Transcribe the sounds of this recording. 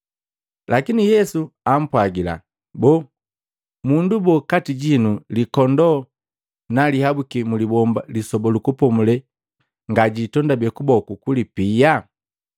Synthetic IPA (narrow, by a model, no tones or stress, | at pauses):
lakinijɛsuam̩pwaɡila̰ | bɔ | mundubɔkatiɟinulikɔndɔ | nalihabukimulibɔmbalisɔbɔlukupɔmulɛ | ŋɡaɟitɔndabɛkubɔkukulipija